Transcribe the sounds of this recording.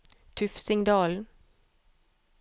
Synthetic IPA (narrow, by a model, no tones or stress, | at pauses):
t̪ʰʉfsɪŋd̪ɑːln̩